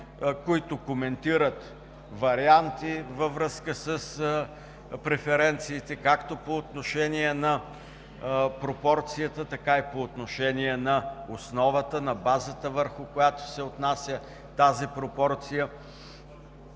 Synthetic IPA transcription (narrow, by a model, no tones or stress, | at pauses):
koit̪ʊkomɛnt̪iɾət̪ | vɐɾiant̪ivəvɾɤskəsəs | pɾɛfɛɾɛnt̪siːt̪ɛkakt̪opoːt̪noʃɛniɛnɐ | pɾopɔɾt̪sijət̪ət̪ɐkaipoːt̪noʃɛniɛnɐosnɔvət̪ənɐbazət̪əvəɾxʊkojat̪o̥sɛot̪nasʲjə | t̪azipɾopɔɾt̪sijə